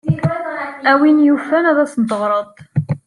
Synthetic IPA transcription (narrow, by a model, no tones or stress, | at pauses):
æwinjufænæðæsnd̪əʁɾˤəðˤ